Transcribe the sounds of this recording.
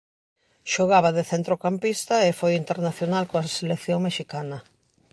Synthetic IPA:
ʃoɣaβaðeθent̪ɾokampist̪aefojint̪eɾnaθjonalkoaselekθjoŋmeʃikanɐ

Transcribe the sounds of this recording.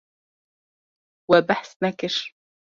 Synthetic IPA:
wabaħsnakɪʃ

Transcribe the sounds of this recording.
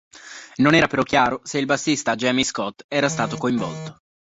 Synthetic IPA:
nonɛːɾapeɾɔk̟ːjaːɾoseilbasːist̪ad͡ʒɛmiskɔt̪ːɛːɾast̪aːt̪okoiɱvɔ̰lt̪o̥

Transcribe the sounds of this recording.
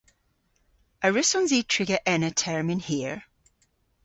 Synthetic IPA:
əɹɪsɔ̃nziːtʰɹ̥ɪɡəʔɛnətʰɛɹmɪ̃nhiəɹ

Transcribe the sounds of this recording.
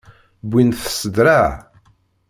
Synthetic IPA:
bʷːinθə̥səd̪ɾa

